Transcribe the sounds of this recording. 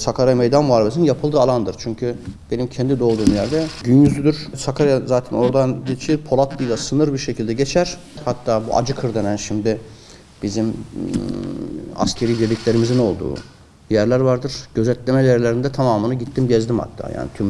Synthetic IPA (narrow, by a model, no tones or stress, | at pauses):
sakʰaɾajmejd̪anmuaːɾleinjapʰɯlˠd̪ɯalˠand̪ɯɾt͡ʃʰyɲcʰyb̥e̞nimcʰɛnd̪id̪o̞lˠd̪uːmjæɾd̪ɛɟynjyzyd̪yɾ̥sakʰaɾajazaːt̪ʰɛno̞ɾd̪and̪it͡ʃʰiɾpʰo̞lˠat̪ʰlˠɯjlˠasɯnɯɾbiɾʃecʰilʲd̪ɛɟet͡ʃʰæɾ̥ | hat̪ʰːaːbṵʔa̰d͡ʒɯkʰɯɾd̪enænʃimd̪ɪ | bizim | a̰scʰe̞ɾiːbiɾlʲicʲlʲe̞ɾimizino̞lˠd̪ṵː | jæɾlʲæɾvaɾd̪ɯɾɟ̥øzɛt̪lʲe̞mɛd̪eɾlʲeɾind̪ɛt̪ʰamaːmɯnɯɟit̪ʰːimɟɛzd̪imha̰t̪ʰːa̰ːja̰ːnḭt̪ʰym